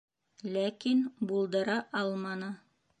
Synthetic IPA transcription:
lækinbulˠd̪ɤ̆ɾɑʔɑlˠmɑnɤ

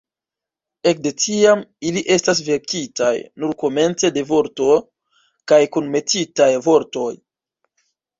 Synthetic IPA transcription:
e̞k̚de̞tiamiliʔe̞stas̬ve̞ɾkitajnuɾko̞me̞nt͡se̞de̞vo̞ɾto̞ | kajkunme̞titajvo̞ɾto̞j

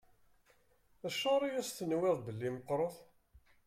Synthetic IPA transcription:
æʃːɑɾˤijæsθənwæðˤbəlːiməqːɾˤoθ

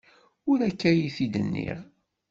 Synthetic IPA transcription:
ʊɾækːæjiθid̪ə̰nːḭʁ

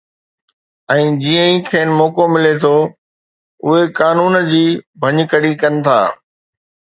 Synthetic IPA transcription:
ɛ̃ːd͡ʑiːə̃ĩkʰeːnɪmɔːkomɪlet̪ʰo | ʊɦekaːnuːnd͡ʑiːbʱɐ̃ɲkəɽikɐnɪ̆t̪ʰa̰ː

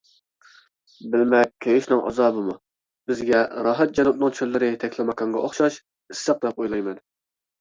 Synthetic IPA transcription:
bɪlmɛk̚ʲkʲʰːejɪʃnɨŋʔɑ̰zɑːbɨmu | bɪzɡʲɛɾɑːɦɛt̪̚d͡ʒɑnup̪̚nɨŋt͡ʃʰølːɪɾɪt̪ʰɛkʲʰlɪmɑkʰɑŋʁɑoχʃɑʃ | ɪsːɑq̚d̪ɛp̚ojlˠɑjmɛn

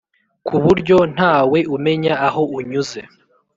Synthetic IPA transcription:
kʰuβuɾɟo̞n̥haːwe̞ʔume̞ɲaːɦo̞uɲuze̞

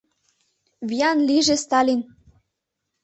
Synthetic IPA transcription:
vijɑnliʒest̪ɑlʲin

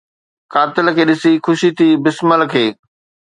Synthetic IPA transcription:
kaːt̪ɪlkʰeːɗɪsixʊʃit̪ʰiːbɪsməlkʰeː

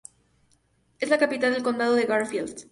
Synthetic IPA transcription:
e̞zlakapit̪ald̪e̞lko̞nd̪að̞o̞ðe̞ɣaɾfilst̪

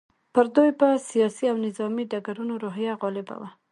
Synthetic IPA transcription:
pəɾd̪ojpəsijɑsiawnɪzɑmiɖaɡaɾunoɾoɦjaɣɑlɪba̰wa

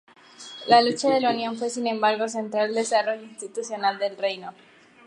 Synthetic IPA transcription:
lalut͡ʃaðe̞launjo̞ɱfwe̞sinẽ̞mbaɾɣo̞s̬e̞nt̪ɾalld̪e̞saro̞ʝoinst̪it̪usjo̞nald̪e̞lre̞jno̞

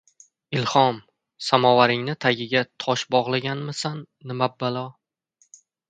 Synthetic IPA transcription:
ɪlˠhɒm | samɒwaɾɪŋnɪt̪ʰaɡʲɪɡʲat̪ʰɒʃbɒʁlˠaɡʲanmɪsanːɪmabːalɒ

